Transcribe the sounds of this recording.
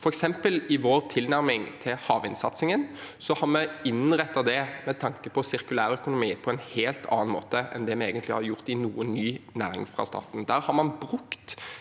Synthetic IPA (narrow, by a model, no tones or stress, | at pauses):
fɔɾɛksɛmpəlɪʋoːɾt̪ʰɪlnæɾmɪŋt̪ʰɪlhɑːʋɪnsɑt̪sɪŋənsɔhɑɾmɛɪnʁɛt̪ːɑd̪ɛmɛt̪ʰɑŋkəpʰɔsɪɾkʉlæːɾœkʊnʊmiːpʰɔɛnheːlt̪ʰɑ̰ːɑnmo̰ːt̪əɛ̰nd̪ɛmɛeːɡənt̪lɪhɑɾjʊʁt̪ɪnuːənːyːnæːɾɪ̰ŋfʁɑ̰st̪ɑ̰ːt̪n̩d̪æːɾhɑɾmɑnbɾʉkt̪